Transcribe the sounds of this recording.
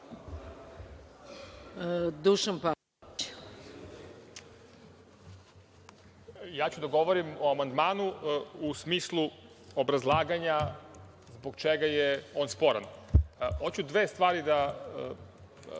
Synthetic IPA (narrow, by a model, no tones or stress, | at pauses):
d̪uʃanpa | t͡ɕ | jaːt͡ɕud̪aɡo̞ʋoɾimoamand̪maːnuusmiːslˠu | obɾazlˠaːɡaɲa | zboɡt͡ʃeɡajeo̞ːnspo̞ɾa̰nhot͡ɕud̪ʋeːst̪ʋaːɾid̪a